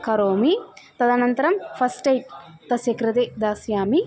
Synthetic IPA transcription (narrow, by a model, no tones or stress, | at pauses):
kɐɾoːmit̪ɐd̪ɐnɐnt̪ɐɾɐmpʰɐsʈɐjʈ̚t̪ɐsjɐkɾɐt̪ed̪aːsjaːmi